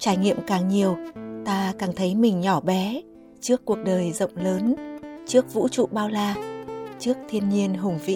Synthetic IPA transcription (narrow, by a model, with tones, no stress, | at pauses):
t͡ɕaː˧˩jŋḭ˧˨əmkaː˨˩ŋɲi˨˩əwt̪aː˧kaː˧˨˩ŋt̪ʰə˨˦jmï˨˩ŋ̟ɲɔ˧˩ɓɛ˨˦ | t͡ɕɨ˦˥əkːu˨˩ək̚ɗəː˨˩jzə̰˧˨wŋ͡mləː˨˦nt͡ɕɨ˦˥ək̚vṵ˧˥t͡ɕṵ˧˨ɓaː˧wlaː˧t͡ɕɨ˦˥ək̚t̪ʰi˧ənɲi˧ənɦʊ˨˩ŋ͡mvḭ˧˨